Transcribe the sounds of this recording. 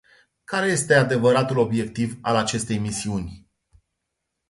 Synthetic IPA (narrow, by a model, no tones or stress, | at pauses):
kaɾe̞je̞st̪e̞ad̪e̞vəɾat̪ulo̞bje̞k̚t̪ivalat͡ʃe̞st̪e̞jmisiunʲ